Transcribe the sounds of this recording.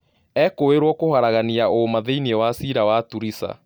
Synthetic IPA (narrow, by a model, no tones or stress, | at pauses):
ɛkoweɾwɔkohaɾaɣaniaomaðeiniewasiɾawatuɾisa̰